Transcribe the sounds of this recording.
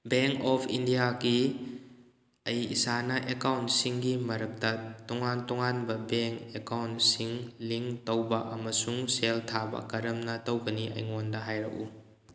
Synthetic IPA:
beŋkɔpʰindijaɡi | ɐjḭsanɐʔekawntsiŋɡimɐɾɐk̚tɐtuŋantɔŋanbɐbeŋkekawntsiŋliŋtowbɐʔɐmɐsuŋseltʰabɐ̰kɐɾɐmnɐtowɡɐniʔɐ̰jŋondɐɦajɾɐ̰ku

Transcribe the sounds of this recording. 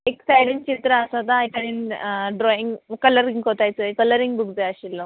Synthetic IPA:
eksajɽint͡ɕit̪ɾəːsat̪ajkəɽiːnɖɾɔiŋɡkələɾĩŋɡɦot̪ajt͡səekələɾĩŋɡbʱuɡd͡zeaɕilːɔ

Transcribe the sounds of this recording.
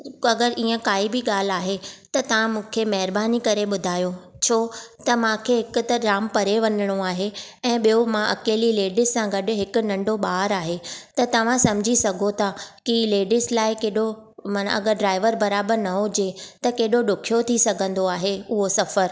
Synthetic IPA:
ɐɡəɾʔiːə̃kaːibɪɠaːl̤aːɦet̪ɐt̪ɐʋ̤ãmũːkʰemɐɦɪɾbaːnikɐɾeɓʊd̪ʱaːjo | t͡ɕʰoːt̪ɐmãːkʰeɦɪkʊ̆t̪ɐɾaːmpɐɾeʋɐnɪɽ̃õaːɦe | ɛ̃ːɓijomãʔɐkeːlileːɖɪssãɡɐɗʊ̆ɦɪkʊ̆nɐ̃ɳɖoɓaːɾaːɦet̪ɐt̪ɐʋ̤ãsɐ̃mɪd͡ʑʱisɐɡʱot̪ʰakileːɖɪslaːɪkeːɗomaːn̰ɐ̰ɡəɾɖɾaːɪʋəɾbɐɾaːbəɾnɐɦʊd͡ʑet̪ɐkeːɗoɗʊkʰijot̪ʰisɐɡʱə̃nd̪oaːɦeʊɦosɐfəɾ

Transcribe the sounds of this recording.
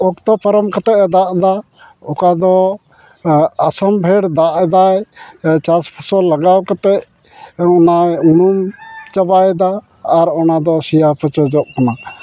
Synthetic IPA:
ɔkt̪ɔpəɾɔmkat̪ɛʔd̪aʔd̪a | ɔkad̪ɔ | asambʱɛɽd̪aʔd̪ajt͡ʃaspʰasɔlaɡawkat̪ɛʔ̚ | ɔnaunumt͡ʃabajd̪aː | ɾɔnad̪ɔsijapʰət͡ʃəd͡ʒɔʔkana

